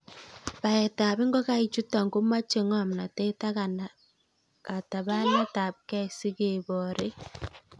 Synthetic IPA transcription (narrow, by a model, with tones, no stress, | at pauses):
pa˨ɛ˨ta˨βi˦ŋɡɔ˦ka˦i˨t͡ʃu˦ta˨ŋɡo˦ma˦t͡ʃe˨ŋɔ˦a˨m˨na˨te˦ta˦kan | ka˨ta˨βa˦nɛ˦ta˨p̚kɛ˦si˦ke˨bɔ˨ɾe˦